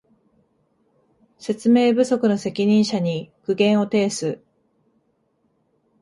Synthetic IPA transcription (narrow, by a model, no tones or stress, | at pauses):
se̞t͡sɨme̞ːbɯ̟so̞kɯ̟no̞se̞kʲiɲ̟ĩɰ̃ɕaɲ̟ikɯ̟ɡẽ̞ɰ̃o̞t̪e̞ːsɨ